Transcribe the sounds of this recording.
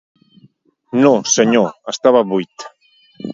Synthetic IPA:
nõseɲoəst̪aβaβujt̪

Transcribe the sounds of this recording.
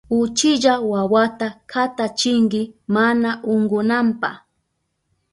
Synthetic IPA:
ʊt͡ʃɪʒawawat̪akʰat̪at͡ʃɪŋɡɪmanaʔʊŋɡʊnampa̰

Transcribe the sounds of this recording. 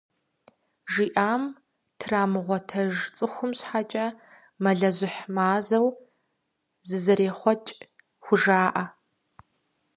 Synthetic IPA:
ʒiːʔaːm | tʰraːmɨʁʷɔtʰɐʒt͡sʼɨχʷʊmɕħat͡ʃʼɐ | mɐɮɐʑʷɪħmaːzɐw | zɨzɐɾeːχʷɔt͡ʃʼ | xʷʊʒaːʔɐ

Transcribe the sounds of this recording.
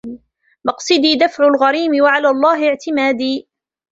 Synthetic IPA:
mɑqsˤɨd̪iːd̪afʕʊlɣɑɾiːmɪwaʕalaːlˤːɑːɦɪɪʕt̪ɪmaːd̪iː

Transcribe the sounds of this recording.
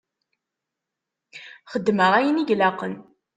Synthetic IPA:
χəd̪ːməʁæjəniʝlaqən

